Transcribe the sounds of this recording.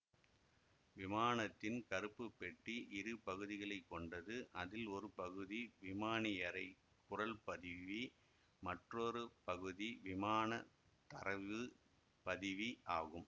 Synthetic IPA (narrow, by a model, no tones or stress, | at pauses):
ʋɪmaːnɐt̪ːɪnkɐɾɯpːɯpːɛʈːiʔɪɾɯpɐɣɯðɪɣɐɭɐɪkːɔɳɖɐðɯʔɐðɪlɔɾɯpɐɣɯðiʋɪmaːnɪjɐɾɐɪ | kʊrɐlpɐðɯʋi | mɐʈroɾɯpɐɣɯðiʋɪmaːnɐ | t̪ɐɾɐʋɯ | pɐðɯʋiʔaːɣɯm